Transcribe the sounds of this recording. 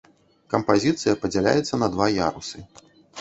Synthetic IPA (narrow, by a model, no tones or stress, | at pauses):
kɐmpazʲit̪sɨjɐpɐd͡zʲalʲa̰jɛt̪sːɐnɐd̪vaja̰ɾusɨ